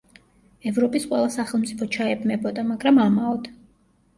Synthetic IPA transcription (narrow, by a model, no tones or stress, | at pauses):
ɛvɾɔpʼisqʼwɛlˠasaχɛlˠmt̪sʼipʰɔt͡ʃʰaɛbnɛbɔd̪amaɡɾamamaɔd̪̥a